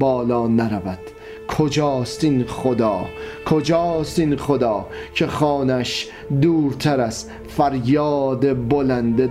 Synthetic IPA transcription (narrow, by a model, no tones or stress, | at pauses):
bɒːlɒːnæɾævæd̪̥ | kʰod͡ʒɒːst̪inχod̪ɒːkʰod͡ʒɒːst̪inχod̪ɒːcʰeχɒːnæʃ | d̪uːɾt̪ʰæɾæz | fæɾjɒːd̪ebolænd̪e